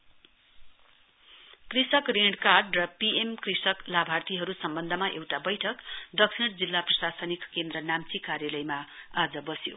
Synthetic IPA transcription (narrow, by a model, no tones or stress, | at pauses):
krisʌkreɖkarɖrʌpiemkrisʌklabʱart̪iɦʌɾusʌmbʌnd̪ʱʌmaʔewʈabʌjʈʰʌkd̪ʌksʰiɽd͡zilːaprʌsasʌnikkend̪rʌnamt͡sikarjalʌjmaad͡zʌbʌsjo